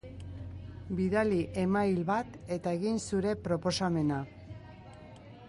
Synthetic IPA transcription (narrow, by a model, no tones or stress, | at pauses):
biðaliʔe̞majlβat̪e̞t̪ae̞ɣinsuɾe̞pɾo̞po̞same̞na